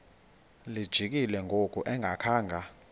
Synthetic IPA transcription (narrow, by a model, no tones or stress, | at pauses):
lid̥ʒ̥ʱik̬ilɛŋʱokʼuʔɛŋʱakʰaːŋɡʱa